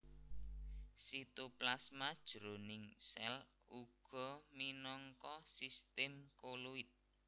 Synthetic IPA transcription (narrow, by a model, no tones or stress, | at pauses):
sit̪uplasmad̥ʒ̥ɾonɪŋsɛl | uɡ̥ɔ̤minɔŋkɔsist̪ɛmkoluɪt̪̚